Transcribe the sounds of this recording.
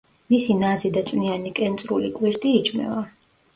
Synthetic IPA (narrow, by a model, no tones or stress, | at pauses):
misinazid̪at̪sʼwnianikʼɛnt̪sʼɾulikʼwiɾt̪ʼiːt͡ʃʰʼmɛ̰va